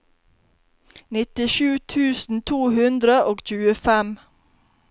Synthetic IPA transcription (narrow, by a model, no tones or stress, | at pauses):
nɪt̪ɪʃʉːt̪ʰʉːsn̩t̪ʰuːhʉnd̪ɾəʔoːɡc͡çʉːəfɛm